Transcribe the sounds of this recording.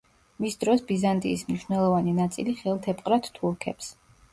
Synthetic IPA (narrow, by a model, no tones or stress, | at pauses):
misd̪ɾɔsbizant̪ʼḭːsmniʃnɛlˠɔvaninat̪sʼḭliχɛlˠt̪ʰɛpʼqʼɾat̪t̪ʰːuɾkʰɛps